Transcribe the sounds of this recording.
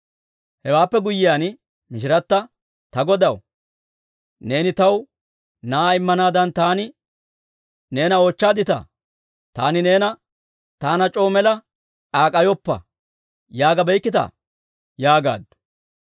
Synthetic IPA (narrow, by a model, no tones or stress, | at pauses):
hɛwaːpːɛɡʊjːɪjaːn | mɪʃ̬ɪɾɐt̪ːɐ | t̪ɐɡɔd̪ɐw | ne̞ːnɪt̪ɐw | naaɪmːɐnaːd̪ɐnt̪aːnɪ | ne̞ːnɐoːt͡ʃːaːd̪ɪt̪ɐ̰ | t̪aːnɪne̞ːnɐ | t̪aːnɐt͡ʃʼo̞ːmɛlɐ | ᶑaːkʼɐjɔpːɐ̰ | jaːɡɐbɛjkːɪt̪ɐ̰ | jaːɡa̰ːd̪